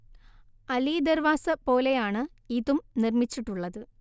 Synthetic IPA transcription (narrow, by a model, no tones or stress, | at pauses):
ɐliːd̪ɐɾʋaːsɐpo̞ːlejaːɳɨ | iːðumnirmit͡ɕːiʈːuɭːɐðɨ